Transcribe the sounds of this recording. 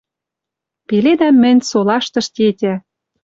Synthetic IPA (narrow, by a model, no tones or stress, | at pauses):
peled̪æmːɘ̆nʲsolɑʃt̪ɤ̆ʃt̪ʲetʲæ